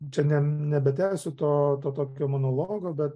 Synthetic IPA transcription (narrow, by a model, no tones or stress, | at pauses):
t͡ʃʲɛnʲɛnʲɛbʲɛt̪ʲæɪsʲʊt̪oːt̪oːt̪oːkʲoːmonoːlˠoːɡoːbʲɛt̪